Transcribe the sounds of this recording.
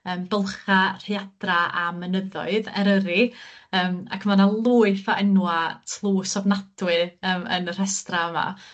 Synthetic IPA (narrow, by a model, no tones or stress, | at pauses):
əːmbəlˠχar̥eadraamənəðɔ̰ɨðɛɾəɾiəːma̰kʰmanalˠuːɨfaənwatʰlˠuːsɔvnadwɨəːmə̰nr̥ɛstraəma̰